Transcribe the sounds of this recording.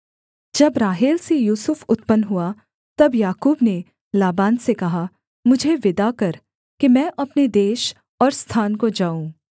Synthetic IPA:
d͡ʒɐbɾaːɦeːlsejuːsʊfʊt̪pənɦua | t̪ɐbjaːkuːbne | laːbaːnsekɐɦa | mʊd͡ʒʱeʋɪd̪akɐɾ | kimɛ̃ːʔɐpned̪eːʃ | ɔːɾst̪ʰaːnkod͡ʒaːũː

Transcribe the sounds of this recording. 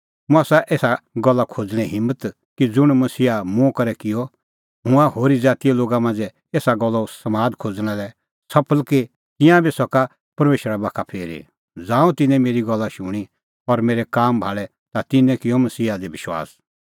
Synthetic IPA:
mũaːsaʔeːsaɡɔlːakʰoːd͡zɽ̃ɛ̃ɦɪ̃mːət̪ | kid͡zʊɽ̃mɐsiːamũkɐɾɛkɪjɔ | ɦʊ̃ãɦoːɾid͡zaːt̪ijɛloːɡamãːnd͡zɛ | eːsaɡɔlːasɐmaːd̪kʰoːd͡zɽ̃ãlɛ | sɐpʰəlke | t̪ɪ̃jãbʱisɔka | pɐɾmeːʃɾabaːkʰapʰeːɾḛ | d͡zãːũt̪ɪ̃nɛ̃meːɾiɡɔlːaʃʊɽ̃i | ɔɾmeːɾɛkaːmbʱaːɭɛ | t̪at̪ɪnɛ̃kɪjɔmɐsiːad̪ebɪʃwa̰ːs

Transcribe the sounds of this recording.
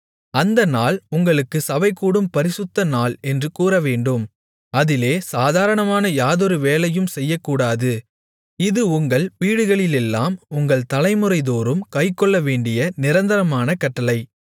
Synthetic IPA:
ɐnd̪ɐnaːlʊŋɡɐɭɯkːɯsɐʋɐɪkːuːɽɯmpɐɾɪsɯt̪ːɐnaːlɛndrɯkuːɾɐʋeːɳɖɯm | ɐðɪleːsaːðaːɾɐɳɐmaːnɐjaːðɔɾɯʋeːlɐjɯmsɛjːɐkːuːɽaːðɯ | ɪðɯʊŋɡɐɭʋiːɽɯɣɐɭɪlɛlːaːmʊŋɡɐɭt̪ɐlɐɪmɯɾɐɪðoːɾɯmkɐɪkːɔɭːɐʋeːɳɖɪjɐnɪɾɐnd̪ɐɾɐmaːnɐkɐʈːɐlɐɪ

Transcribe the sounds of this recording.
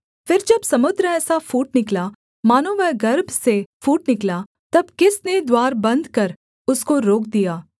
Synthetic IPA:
fɪɾd͡ʒɐbsɐmʊd̪ɾəɛːsafuːʈ̚nɪkla | maːnoːʋɛɡɐɾbʱsefuːʈnɪklaː | t̪ɐbkɪsned̪waːɾbɐ̃nd̪kɐɾ | ʊskoɾoːkd̪ijaː

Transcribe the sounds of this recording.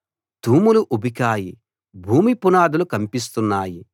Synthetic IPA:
d̪̥ʱuːmuluʔubikaːji | bʱuːmipunaːd̪ulukɐmpis̬t̪unːaːji

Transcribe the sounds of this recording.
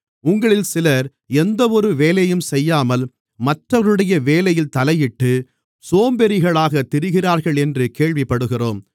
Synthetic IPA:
ʊŋɡɐɭɪlsɪlɐɾ | ɛnd̪ɐɔɾɯʋeːlɐjɯmsɛjːaːmɐl | mɐʈrɐɾɯɽɐjɐʋeːlɐjɪlt̪ɐlɐjɪʈːɯ | soːmbɛɾɪɣɐɭaːɣɐt̪ːɪɾɯɣɪraːɾɣɐɭɛndrɯkeːɭʋɪpːɐɽɯɣɪroːm

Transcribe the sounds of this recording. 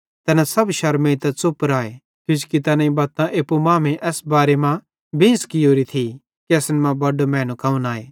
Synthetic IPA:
t̪ɛːnãsɐbʃɐɾmẽt̪ɛt͡sʊpɾaːe | k̪jʊd͡ʒkit̪ɐnãĩbɐt̪ãʔeːpːumaːmẽʔɛːsbaːɾemã | bĩːnskioːɾit̪ʰi | kiɐsnmãbɐɖomɛ̃ːnũkaːũnaːeː

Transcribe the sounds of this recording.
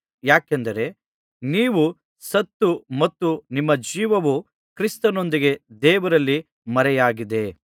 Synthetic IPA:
jaːkɛnd̪ɐɾe̞ | niːʋu | sɐt̪ːumɐt̪ːunimːɐd͡ʒiːʋɐʋu | kɾist̪ɐno̞nd̪iɡe̞d̪ɛːʋɐɾɐlːi | mɐɾɛjaːɡid̪e̞

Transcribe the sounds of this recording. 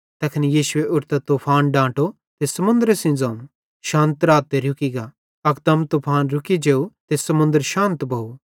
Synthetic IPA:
t̪ɐkʰnijiːsʊeʔʊɾt̪ɐt̪oːpʰaːnɖãːʈo | t̪esɐmʊ̃nd̪əɾesɪ̃d͡zɐ̃ũ | ʃãːnt̪ɾaːt̪ːeɾʊkiɡa | ɐk̚d̪ɐmt̪oːpʰaːnɾʊkid͡ʒeːut̪esɐmʊ̃nd̪əɾʃãːnt̪bʱɐu

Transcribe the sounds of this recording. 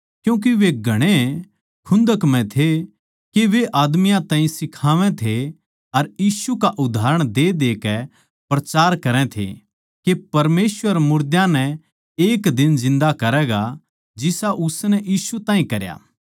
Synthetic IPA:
kjũːk̬iʋeɡʱɐɽ̃e | kʰʊ̃nd̪əkmɛ̃t̪ʰe | keʋeʔaːd̪mɪjãt̪ãːĩsɪkʰaːʋɛ̃t̪ʰe | ɐɾjiːsukaʔʊd̪ʱaːɾəɽ̃d̪ed̪eːkɛ | pɾɐt͡ʃaːɾkɐɾɛ̃t̪ʰḛ | kepɐɾmeːswəɾmʊɾd̪jãnɛ | eːkd̪ɪnzɪ̃nd̪akɐɾɛːɡa | d͡ʒɪsaʔʊsnɛʔjiːsut̪ãːɦĩkɐɾja̰ː

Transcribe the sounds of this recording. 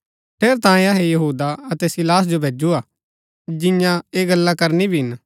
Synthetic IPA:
ʈʰeːɾt̪ãːẽaːɦejɐɦuːd̪aɐt̪ɛsɪlaːs̬d͡ʒobʱeːd͡ʒuaː | d͡ʒɪ̃jãeːɡɐlːakɐɾnibʱiɦɪn

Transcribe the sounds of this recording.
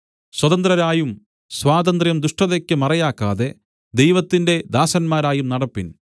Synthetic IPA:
swɐðɐnd̪ɾɐɾaːjum | swaːd̪ɐnd̪rjɐmd̪uʂʈɐðekʲːɨmɐrɐjaːkːaːðe̞ | d̪ejʋɐt̪ːinde̞d̪aːsɐnmaːɾaːjumnɐɽɐpːin

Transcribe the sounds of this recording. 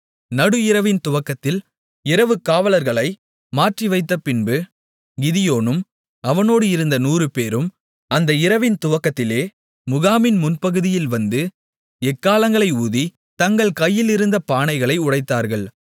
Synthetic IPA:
nɐɽɯɪɾɐʋɪnt̪ʊʋɐkːɐt̪ːɪl | ɪɾɐʋɯkːaːʋɐlɐɾɣɐɭɐɪ | maːʈriʋɐɪt̪ːɐpɪnbɯ | ɡɪðɪjoːnɯm | ɐʋɐnoːɽɯɪɾɯnd̪ɐnuːɾɯpeːɾɯm | ɐnd̪ɐɪɾɐʋɪnt̪ʊʋɐkːɐt̪ːɪleː | mʊɣaːmɪnmʊnpɐɣɯðɪjɪlʋɐnd̪ɯ | ɛkːaːlɐŋɡɐɭɐɪuːði | t̪ɐŋɡɐɭkɐjːɪlɪɾɯnd̪ɐpaːɳɐɪɣɐɭɐɪʊɽɐɪt̪ːaːɾɣɐɭ

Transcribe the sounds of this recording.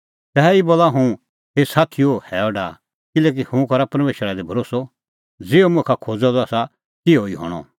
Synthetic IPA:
t̪ɛːɛiboːlaɦũ | ɦesaːt̪ʰiohɛːɔɖa̰ː | kɪleːk̬ihũkɐɾapɐɾmeːʃɾad̪ebʱɐɾoːsɔ | d͡zɪomʊ̃kʰakʰoːd͡zɔd̪ɔaːsa | tɪoiɦɔ̰ːɽ̃ɔ̰

